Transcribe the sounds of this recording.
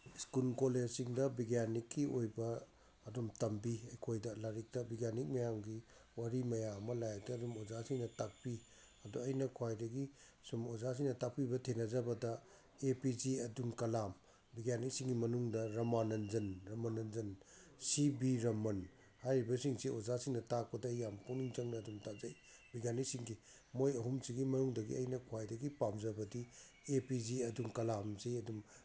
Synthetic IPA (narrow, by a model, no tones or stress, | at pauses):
skulkoled͡ʒsiŋdɐbiɡjanikːiojbɐː | dumtɐmbiɐjkʰojdɐlaɾik̚tɐbiɡjanik̚mɐjamɡi | waɾimɐjamːɐlajak̚tɐːdumozasiŋnɐtak̚pi | ɐduɐjnɐkʰwajdɐɡi | sumozas̬iŋnɐtak̚pibɐtʰenɐzɐbɐdɐ | epiziɐdunkɐlam | biɡjanijsiŋɡimɐnuŋdɐɾɐmanɐnzɐnɾɐmanɐnzɐnsibiɾɐmɐn | hajɾibɐsiŋsiozasiŋnɐtak̚pɐdɐjampuniŋt͡ʃɐŋnɐːdumtazɐj | biɡjanijsiŋɡi | mojɐɦumsiɡimɐnuŋdɐɡḭɐjnɐkʰwajdɐɡipamzɐbɐdi | epiziɐduŋkɐlamzejɐdum